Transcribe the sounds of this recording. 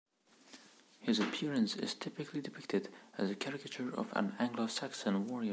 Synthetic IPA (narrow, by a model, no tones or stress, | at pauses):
hɪzɨpʰɪɹɨ̃nsɪ̰z̥tʰɪpɨklidɨpʰɪk̚tʰɨdɨzɨkʰæɹɪkɨt͡ʃə˞ʌ̰və̰̃næ̃ŋɡlosæksə̃nwɔɹiə